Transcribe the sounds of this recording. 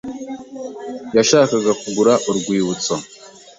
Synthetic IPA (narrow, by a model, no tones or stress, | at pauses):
jaʃaːkaɡakuɡuɾaʔuɾɡwiːwut͡so